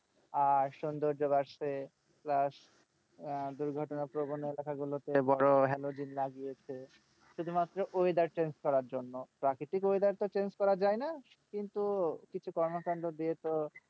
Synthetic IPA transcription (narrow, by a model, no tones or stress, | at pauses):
aɾʃund̪oɾd͡ʑobaɾʃe | plaʃ | d̪uɾɡʱɔʈonapɾobonoelakaɡulot̪ebɔɽoɦɛlod͡ʑinlaɡijet͡ɕʰe | ʃud̪ʱumat̪ːɾoʔojd̪aɾt͡ɕenskɔɾaɾd͡ʑonːopɾakɾiʈikojd̪aɾt̪ot͡ɕenskɔɾad͡ʑaena | kint̪ukit͡ɕʰukɔɾmokand̪od̪iet̪o